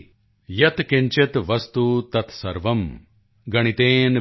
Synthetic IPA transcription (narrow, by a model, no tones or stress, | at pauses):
jɐt̪keɲt͡ʃet̪ʋɐst̪ut̪ɐt̪ʰsɐɾʋɐm | ɡɐɽ̃it̪eːn